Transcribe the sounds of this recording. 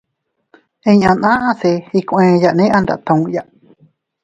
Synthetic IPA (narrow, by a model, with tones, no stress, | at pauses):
ẽ˧ɲã˧nã˦ʔã˦θe˧hi˧kʷʔẽ˧ja˨ʔnẽ˦ʔã˧nd̪a̰˨ʔt̪ã˧ũ˧jaʔ